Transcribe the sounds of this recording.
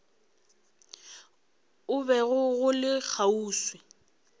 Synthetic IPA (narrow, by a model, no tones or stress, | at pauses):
ʊbɛɣʊɣʊlɪk͡xʰauːswɪ